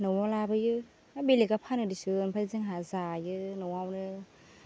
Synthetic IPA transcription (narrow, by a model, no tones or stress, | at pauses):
nɯwawlabɯjɯ | abelekapʰanɯdisɯnpʰazɯŋɦazajɯnɔwawnɯ